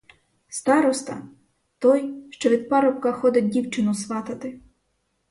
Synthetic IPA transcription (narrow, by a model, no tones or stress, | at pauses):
st̪ɑɾɔst̪ɐ̰ | t̪ɔjʃt͡ʃɔʋʲid̪̚pɑɾɔp̚kɐxɔd̪ʲɐt̚ʲdʲiwt͡ʃɪnʊsʋɑt̪ɐt̪ɪ